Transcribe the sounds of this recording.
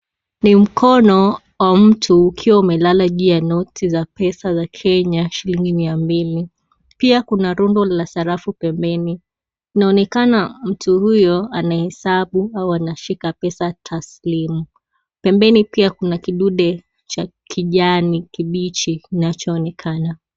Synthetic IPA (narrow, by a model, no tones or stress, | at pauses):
nim̩kʰɔnɔ | wam̩tʰuːkʰiwaumɛlalaʄujanɔtʰizapɛsazakʰɛɲaʃiliŋɡimiambili | piakunaɾundɔlasaɾafupɛmbɛni | inaɔnɛkanam̩tuhujɔanahɛsaɓuauanaʃikapɛsatʰaslimu | pɛmbɛnipiakunakiɗuɗɛ | t͡ʃa | kʰiʄanikiɓit͡ʃiinat͡ʃɔːnɛkʰana